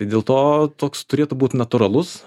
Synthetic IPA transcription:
t̪ɐɪdʲeːlˠt̪oːt̪oːkst̪ʊɾʲeːt̪ʊbuːt̪nɐt̪ʊɾɐlˠʊs

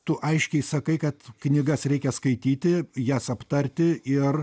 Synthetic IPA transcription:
t̪ʊʔɐɪʃʲkʲɛɪsɐkɐɪkɐt̪knʲɪɡɐsɾʲɛɪkʲɛskɐɪt̪ʲiːt̪ʲɪjæːsɐpt̪ɐrʲt̪ʲɪʔɪr

